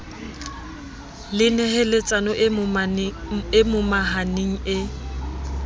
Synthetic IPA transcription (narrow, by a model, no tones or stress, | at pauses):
lɪnɛɦɛlɪt͡sʼanɔʔ | ɪmʊmaɦaneŋ̩ɪ